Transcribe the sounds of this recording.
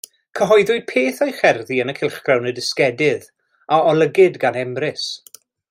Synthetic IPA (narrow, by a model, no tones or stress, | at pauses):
kʰəɦɔjðʊjpʰeːθajχɛrðiənəkʰɪlˠχɡ̥rawnədɪskɛdɪð | aɔlˠəɡɪdɡanɛmrɪs